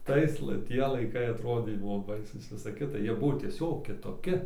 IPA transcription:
ˈtɐɪs lˠɐ ˈtʲiɛ lˠɐɪˈkɐɪ ɐˈtroːdʲeː ˈbʊʋoː ˈbɐɪsuːs ˈʋʲɪsɐ ˈkʲɪtɐ ˈjiɛ ˈbʊʋoː tʲiɛˈsʲoːk kʲɪtoːˈkʲɪ

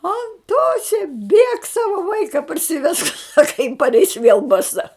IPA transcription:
ɐnˈtoːsʲɛ bʲeːk ˈsɑːʋɐ ˈʋɐɪkɐ pɐrʲsʲɪˈʋʲɛsk ˈsɑːkɐ jɪn pɐrʲˈɛɪs ʋʲeːlˠ bɐˈsɐ

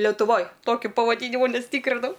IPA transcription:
lʲɛtʊˈʋoːj ˈtoːkʲʊ pɐʋɐˈdʲiːnʲɪmʊ ˈnʲɛs ˈtʲiːkrʲɪnɐʊ

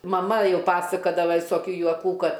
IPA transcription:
mɐˈmɐ ˈjɛʊ ˈpɑːsɐkɐdɐʋɐ ʋʲɪsoːˈkʲuː juɔˈkuː ˈkɐt

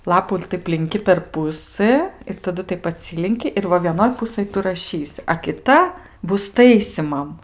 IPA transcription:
ˈlˠɑːpuː ɪr ˈtɐɪp lʲɪŋʲˈkʲɪ pʲɛr ˈpʊsɘ ɪr tɐˈdʊ ˈtɐɪp ɐˈtʲsʲɪlʲɪŋʲkʲɪ ɪr ˈʋɐ ʋʲiɛˈnoːj ˈpʊsɘj ˈtʊ rɐˈʃʲiːsʲɪ ɐ kʲɪˈtɐ ˈbʊs ˈtɐɪsʲiːmɐm

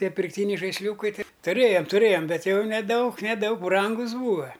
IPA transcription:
ˈtʲiɛ pʲɪrkˈtʲiːnʲɛɪ ʒɐɪsʲˈlʲuːkɐɪ ˈtɐɪ tʊˈrʲeːjɛm tʊˈrʲeːjɛm ˈbʲɛt jɛʊ nʲɛˈdɐʊk nʲɛˈdɐʊk ˈbrɐŋɡʊs ˈbuːʋɐ

